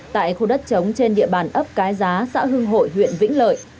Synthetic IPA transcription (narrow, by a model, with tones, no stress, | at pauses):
t̪a̰ː˧˨jxu˧˩ɗə˦˥t̚t͡ɕə˨˦wŋ͡mt͡ɕe˧nɗḭ˧˨əɓaː˧˩nʔə˦˥p̚kaː˨˦jzaː˨˦sa̰ː˧˥ɦɨ˧əŋɦo̰˧˨jɦwḭ˧˨ənvï˧˥ŋ̟lə̰ː˧˨j